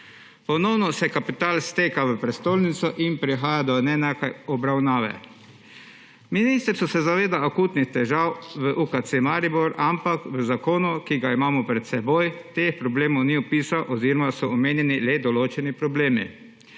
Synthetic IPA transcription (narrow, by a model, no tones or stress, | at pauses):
pɔnɔwnɔsɛkapit̪aːlst̪eːkaʋəpɾɛst̪oːlnit̪sɔʔinpɾixaːjad̪ɔnɛnɛkajɔbɾawnaːʋɛ̰ | miniːst̪ɾsɔsɛzaʋeːd̪aakuːt̪nixt̪ɛʒawʋəʔuːkat̪semaɾibɔɾampakʋəzakoːnukiɡaimaːmɔpɾɛt̪sɛboːjt̪eːxpɾɔbleːmɔwniupiːsawʔɔziːɾɔmasɔɔmeːnjɛnilɛd̪ɔloːt͡ʃɛnipɾɔbleːmi